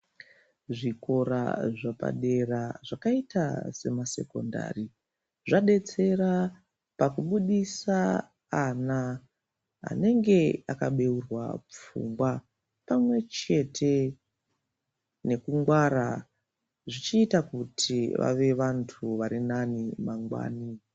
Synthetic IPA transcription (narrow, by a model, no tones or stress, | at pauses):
ʐiko̞ɾa̰ʐapa̰ɗe̞raʐakaita̰se̞mase̞̰ko̞̰nda̰ri | ʐaɗe̞t͡se̞ɾa | pakuɓuɗisaː | na | ɦa̰ne̞ŋɡe̞akaɓe̞urwa̰p͡fṵmɡwa | pamwe̞t͡ʃe̞tʰe̞ | ne̞kuŋɡwaɾa | ʐit͡ʃiːtakutʰiʋa̰ʋe̞ʋantʰuʋaɾinanimaŋɡwa̰ːni